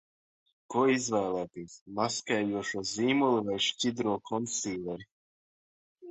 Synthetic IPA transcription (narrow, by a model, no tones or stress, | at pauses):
kuɔizvɛːlˠæːt̪iːsmaskajjuɔʃuɔziːmulˠivajʃcid̪ɾuɔkʰɔnsiːlɛɾi